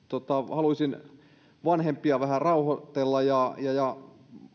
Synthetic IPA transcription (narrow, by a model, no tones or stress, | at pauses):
t̪ot̪ɑhɑlusʲin | ʋɑnhempiɑʋæhærɑuhot̪elːɑjɑjɑjɑ